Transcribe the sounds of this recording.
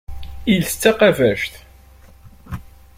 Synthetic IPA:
ilt͡sːæqævæʃθ

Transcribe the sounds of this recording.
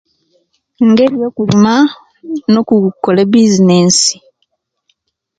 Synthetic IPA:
ŋɡe̞ɾjoːkulima | no̞kukːolebizineːnsi̥

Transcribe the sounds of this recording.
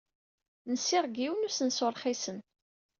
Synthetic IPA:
nəsːɪʁɡiwnusənsʊɾˤχisən

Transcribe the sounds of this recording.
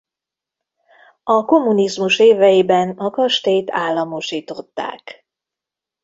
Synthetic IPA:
ɒko̞mːunizmuʃeːvɛjibɛnɒkɒʃt̪eːjt̪aːlːɒmo̞ʃiːt̪o̞t̪ːa̰ːk

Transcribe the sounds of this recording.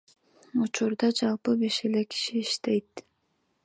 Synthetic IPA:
ut͡ʃuɾd̪ɑd͡ʒɑlˠpɯbe̞ʃe̞le̞kʰi̥ʃiːʃt̪e̞jt̪̚

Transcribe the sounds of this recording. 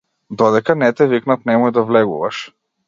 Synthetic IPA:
d̪ɔd̪ɛkanɛt̪ɛviknat̪nɛmɔjd̪avlɛɡṵvaʃ

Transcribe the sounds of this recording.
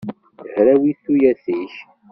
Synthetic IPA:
əhɾæwiθujæθiç

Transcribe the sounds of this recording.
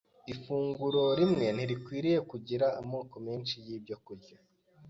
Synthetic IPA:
ifuːŋɡuɾo̞ɾimŋe̞n̥iɾikwiːɾije̞kuɟiɾaːmo̞ːko̞meːnt͡ʃijiːbjokuɾɟo

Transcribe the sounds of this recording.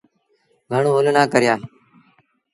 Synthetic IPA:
ɡʱəɳõːɦʊlnãːkəɾɪjaː

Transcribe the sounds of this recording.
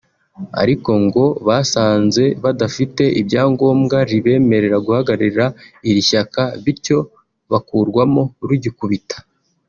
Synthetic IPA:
a̰ɾiko̞ŋɡo̞βaːsaːnze̞βadafite̞ʔibɟaːŋɡo̞ːmɡaɾiβe̞ːme̞ɾe̞ɾaɡuhaɡaɾiɾaiɾiʃakaβiɾco̞ | βakuɾɡwamo̞ɾuɟikuβitḁ

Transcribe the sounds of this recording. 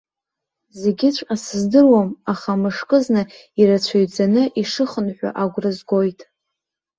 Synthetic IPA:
ze̞ɡʲɪt͡ɕʷʰʼasɨzdɨrwamaχamɨʂkʼɨznɨ | iɾat͡ɕʷʰaɥd͡zanɨʔiʂɨχənħʷᶣa̰ʔaɡʷrɨzɡo̞jtʼ

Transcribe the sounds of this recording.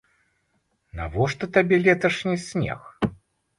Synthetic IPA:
na̰vɔʂt̪ɔt̪abʲɛlʲɛt̪ɐʂnʲisʲnʲḛx

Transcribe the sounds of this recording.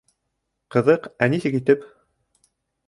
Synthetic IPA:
qɤ̆ðɤqænisɘkit̪ɘp

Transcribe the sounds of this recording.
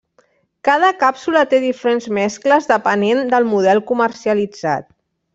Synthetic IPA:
kað̞əkapsulət̪eðifəɾenzmɛskləzðəpənend̪əlˠmuðɛlˠkuməɾsiəlid͡za̰t̪̚

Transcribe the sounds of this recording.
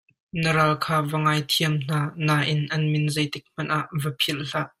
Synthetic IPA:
nəɾalkʰaːvəŋaːjt̪ʰiəmn̥aːnaːʔɪnʔɐnmɪnzɐjt̪ɪk̚m̥ɐnʔaʔvəpʰilɬaʔ

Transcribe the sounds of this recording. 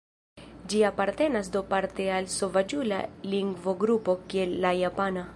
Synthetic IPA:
d͡ʒiapaɾt̪e̞nasd̪opaɾt̪ealsovad͡ʒula̰liŋɡvoɡɾupo̞kielːajapana

